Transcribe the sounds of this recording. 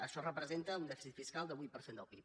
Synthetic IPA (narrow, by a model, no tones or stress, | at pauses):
əʃɔrəpɾəzent̪əund̪ɛfisit̪fiskalˠd̪əβujt̪̚pəɾsend̪əlˠpip